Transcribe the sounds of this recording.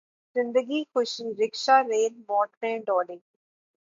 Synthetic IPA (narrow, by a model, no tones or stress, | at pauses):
zɪ̃nd̪əɡiːxʊʃiːɾɪkʃaːɾeːlmɔːʈɾẽːɖɔːɖɪ̃ŋ